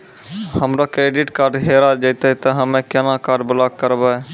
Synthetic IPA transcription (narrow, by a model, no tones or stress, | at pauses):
həmɾokɾeːɖiʈkaːɾɖɦeɾad͡ʒəɪt̪ət̪əɦəmẽkenakaːɾɖbʊlaɡ̚kəɾbə